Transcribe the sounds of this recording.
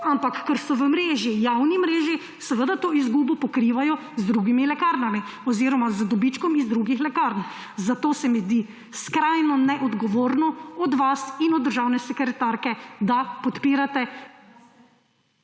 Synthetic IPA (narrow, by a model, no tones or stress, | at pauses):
ampakːəɾsɔʋəmɾeːʒijawnimɾeːʒi | sɛʋəd̪at̪oːizɡubɔpɔkɾiʋajɔ | zd̪ɾuɡimilɛkaɾnamiɔziːɾɔmazd̪ɔbit͡ʃkɔmizd̪ɾuɡixlɛkaɾn | zat̪oːsɛmizd̪i | skɾajnɔnɛʔɔd̪ɡɔʋoːɾnɔɔd̪ʋasinɔd̪ːəɾʒaːwnɛsɛkɾɛt̪aɾkɛd̪apɔt̪piːɾat̪ɛ